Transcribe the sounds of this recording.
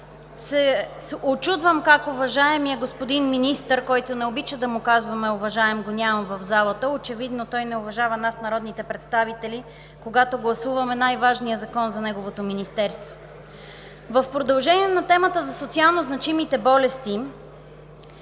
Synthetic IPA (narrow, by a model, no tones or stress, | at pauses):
sɛsot͡ʃud̪vəmkakʊvɐʒaɛmiəɡospod̪inminist̪əɾkɔjt̪onɛobit͡ʃəd̪ɐmʊkazvɐmɛovɐʒaɛmɡonʲamɐmvɐvzalˠət̪əot͡ʃɛvid̪not̪ɔjnɛʊvɐʒavɐnasnɐɾɔd̪nit̪ɛpɾɛt̪st̪avit̪ɛli | koɡat̪oɡlˠɐsuvɐmɛnajvaʒnijəzɐkɔnzɐnɛɡovot̪ominist̪ɛɾst̪vo̥ | vəfpɾod̪ɐlˠʒɛniɛnɐt̪ɛmət̪əzɐsot̪sialˠnoznɐt͡ʃimit̪ɛbɔlɛst̪i